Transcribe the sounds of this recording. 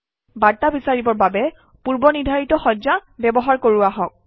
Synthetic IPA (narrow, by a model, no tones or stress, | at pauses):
baɹtabisaɹibɔɹbabɛ | puɹbɔnidʱaɹitɔxɔzabɛbɔɦaɹkoɹuaɦɔk̚